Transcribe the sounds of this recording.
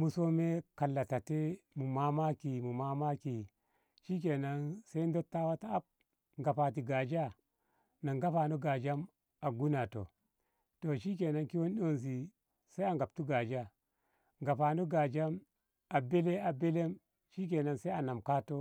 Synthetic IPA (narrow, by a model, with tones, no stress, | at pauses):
mu˨so˦me˦ka˨lːa˨ta˨te˦mu˨ma˦ma˦ki˨mu˨ma˦ma˦ki˨ | ʃi˦k̬e˨na˨nse˦n˦do˦tːa˦wa˦ta˦a˦p̚ | ŋɡa˨pa˨t̬i˨ɡa˨d͡ʒa˦ | na˨ŋɡa˦pa˨no˦ɡa˨d͡ʒa˦m | a˨ɡu˦na˨to̰˨ | to˨ʃi˦k̬e˨na˦ŋki˦wo˦nɗo˦ns̬i˨ | sa˦a˨ŋɡa˨p̚tu˦ɡa˨d͡ʒa˦ | ŋɡa˨pa˨no˦ɡa˨d͡ʒa˦m | a˨be˦le˦a˨be˦le˦m | ʃi˦k̬e˨na˨nse˦a˨na˨mka˦to˦